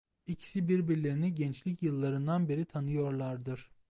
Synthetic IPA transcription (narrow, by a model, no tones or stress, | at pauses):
icʰi̥sibiɾbiɾlʲe̞ɾiniɟɛnt͡ʃlʲicjɯlˠːaɾɯnd̪anbe̞ɾit̪ʰanɯjo̞ɾlˠaɾd̪ɯɾ̥